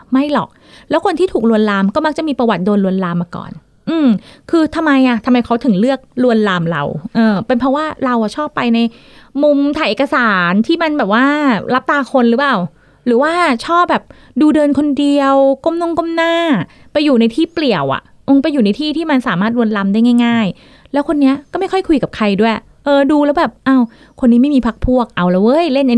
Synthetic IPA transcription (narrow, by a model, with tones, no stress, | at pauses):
ma˥˩jlɔ̰˨˩k̚ | lɛː˦˥wkʰo˧nt̪ʰiː˥˩t̪ʰuː˨˩k̚lu˧ənlaː˧mkɔː˥˩ma˦˥k̚t͡ɕa˨˩ʔmiː˧pɾa˧wa˨˩t̪̚doː˧nlu˧ənlaː˧mːaː˧kɔ̰ː˨˩n | ʔɯː˧mkʰɯː˧t̪ʰa˧mːa˧jʔa˨˩t̪ʰa˧mːa˧jkʰa˦˥wt̪ʰɯ˨˩˦ŋlɯ˥˩ək̚lu˧ənlaː˧mɾa̰˧wʔɤː˧˩pe˧npʰɾɔ˦˥waː˥˩ɾa˧wʔa˨˩t͡ɕʰɔː˥˩pːa˧jna˧j | mu˧mt̪ʰaː˨˩jʔeː˨˩ka˧saː˩˦nt̪ʰiː˥˩ma˧nbɛː˨˩p̚waː˥˩ɾa˦˥p̚t̪aː˧kʰo˧nɾɯː˩˦˥paː˨˩w | ɾɯː˩˦waː˥˩t͡ɕʰɔː˥˩p̚bɛː˨˩p̚ | duː˧dɤː˧nkʰo˧ndi˧əwko˥˨mno˥˩ŋko˥˨mnaː˥˩ | pa˧jːuː˨˩na˧jt̪ʰiː˥˩pli˨˩əwʔa̰˨˩ʔ | ʔo˧ŋpa˧jːuː˨˩na˧jt̪ʰiː˥˩t̪ʰiː˥˩ma˧nsaː˩˦maː˥˩t̪̚ɾu˧ənla˧mdaː˥˩jŋaː˥˩jŋaː˥˩j | lɛː˦˥wkʰo˧nːi˦˥ɐkɔː˥˩ma˥˩jkʰɔ˥˩jkʰu˧jka˨˩p̚kʰa˧jdu˥˩əj | ʔɤː˧duː˧lɛː˦˥wbɛː˨˩p̚ʔa˧˩w | kʰo˧nːiː˦˥ma˥˩jmiː˧pʰa˦˥k̚pʰu˥˩ək̚ʔa˧wla˧˩wɤː˦˥jle˥˩na˧